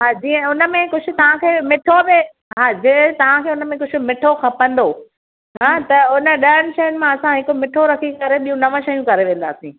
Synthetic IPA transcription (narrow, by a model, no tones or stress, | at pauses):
ɦaːd͡ʑiːə̃ʊnə̆mẽkʊd͡ʑʰʱʊ̆t̪ɐʋ̤ãkʰeːmɪʈʰobɪ | ɦɦaːd͡ʑĩt̪ɐʋ̤ãkʰeːʊnəmẽkʊd͡ʑʰʱʊmɪʈʰoxʰɐpə̃nd̪oː | ɦãːt̪ɐʊnə̆ɗɐəɽ̃ɪ̆ʃɐjənɪ̆mãɐsãɦɪkomɪʈʰoɾɐkʰikɐɾeɓiːũnɐʋə̃ʃɐjũkɐɾeʋẽːn̆d̪a̰ːsĩː